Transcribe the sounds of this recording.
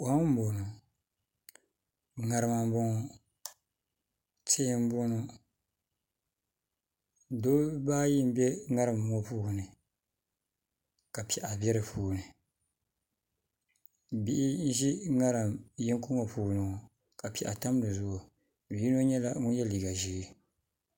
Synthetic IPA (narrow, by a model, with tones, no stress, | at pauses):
o˨˦m̩˦bo˨no˨ | ŋa˨ɾɨ˦ma˨m˦bo˦ŋɔ˨ | te˦m̩˦bo˦no˦ | doː˦baː˦ji˦m˦bɛ˦ŋa˦ɾɨ˨m˨m˦o˦puː˦ɡnɨ˨ | ka˨pɛ˨ʔa˨bʲɛ˦ɾɨ˨pʰuː˦˨nɨ˨ | bi˦ʔi˦n̩˦ʒi˦ŋa˦ɾɨ˨mji˦ŋkʊ˦ŋo˨puː˦˨nɨ˨ŋ˨ | ka˨pɛ˨ʔa˨ta˦m˦nɨ˨zʊ˦ʔʊ˨ | bi˦no˦ɲɛ˦la˦ŋʊ˦njɛ˦liː˨ɡa˨ʒiː˦